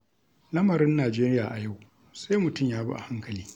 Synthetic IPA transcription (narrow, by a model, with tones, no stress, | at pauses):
lɐ˦mɐ˨ɾɪ˦nːaː˨d͡ʒeː˦ɾɪ˦jaː˨ʔa˨ja˦˨w | sa˦jmʊ˨tʊ˦˨mjaː˦ba̰˦ʔa̰˨ha˦ŋkɐ˨liː˦